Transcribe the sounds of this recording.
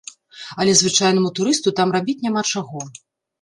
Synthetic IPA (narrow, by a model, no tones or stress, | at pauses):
ɐlʲɛzvɨt͡ʂajnɐmut̪uɾɨst̪ut̪amrabʲit͡sʲnʲamat͡ʂaɣɔ